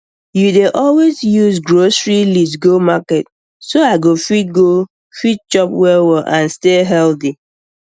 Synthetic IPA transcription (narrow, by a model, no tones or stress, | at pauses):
judeʔɔlwezjuzɡɹosɹilisɡomakɛt | soaɪɡofit̚ɡo | fit̚t͡ʃɔpwɛwɛʔãnsteɦɛlti